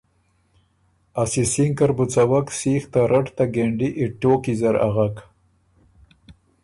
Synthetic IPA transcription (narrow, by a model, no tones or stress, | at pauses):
asisiŋkaɾbut͡sawaksiːxt̪aɾʔaʈt̪aɡeɳɖiʔɪʈːoːkizaɾa̰ɣak